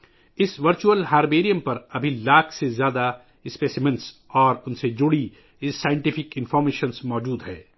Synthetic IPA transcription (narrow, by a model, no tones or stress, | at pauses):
ɪsʋɐɾt͡ʃuəlɦaːɾbeːɾijə̃mpɐɾɐbʱilaːkʰsezjaːd̪a | ɪspeːsɪmə̃nsɔːɾʊnsed͡ʒʊɽi | ɪsaːjɪ̃ɳʈɪfɪkɪ̃nfɔːɾmeːʃənsmɔːd͡ʒuːd̪ɦɛː